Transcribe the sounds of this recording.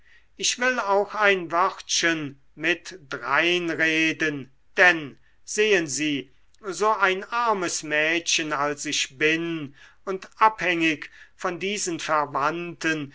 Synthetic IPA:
ʔɪçv̥ɪlaʊxaɪnvœʁtʃən | mɪtd̥ʁaɪnʁeːdən | d̥ɛn | z̥eːənziː | zoːaɪnʔaɐməsmɛːtɕənalsɪçb̥ɪn | ʊntʔaphɛŋɪkfɔndiːzənfɛɐvantən

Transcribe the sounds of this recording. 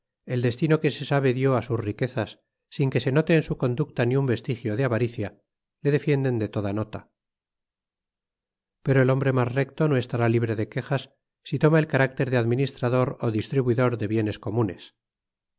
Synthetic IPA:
e̞ld̪e̞st̪ino̞ke̞sesaβe̞ðjo̞asuzrike̞θasː | iŋke̞se̞no̞t̪e̞ːnsuko̞nd̪uk̚t̪aniumbe̞st̪ixjo̞ðeaβaɾiθja | le̞ðe̞fje̞nd̪e̞nd̪e̞t̪o̞ðano̞t̪a | pe̞ɾo̞e̞lo̞mbɾe̞mazre̞kt̪o̞no̞e̞st̪aɾaliβɾe̞ðe̞ke̞xasː | it̪o̞mae̞lkaɾak̚t̪e̞ɾðeaðminist̪ɾaðo̞ɾo̞ðist̪ɾiβuiðo̞ɾðe̞βje̞ne̞sko̞mune̞̰s

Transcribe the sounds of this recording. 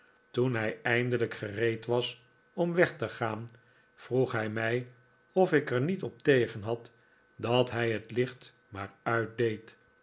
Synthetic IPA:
tunɦɛjɛjndələkχərejtʋɑs | ɔmʋɛχtəχaːn | v̥ruχɦɛjmɛj | ɔfɪkəɹnitɔp̚tejχənɦɑt | dɑtɦɛjɦətlɪχt | maːɹœɥt̚dejt

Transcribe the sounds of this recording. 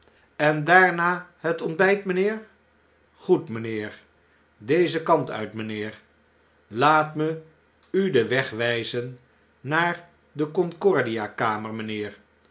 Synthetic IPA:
ɛndaːɹnaːɦətɔnd̚bɛjtmənɪːɹ | χutmənɪːɹ | dejzəkɑntœ̰ɥtmənɪːɹ | laːtmə | ydəʋɛχʋɛjzənː | aːɹ | dəkɔnkɔɹdiakaːməɹmənɪːɹ

